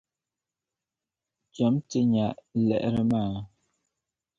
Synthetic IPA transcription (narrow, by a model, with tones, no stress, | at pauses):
t͡ʃɛ˨˦mtə˦ɲa˨ʔlɛ̰˨ʔɾə˦maː˦˨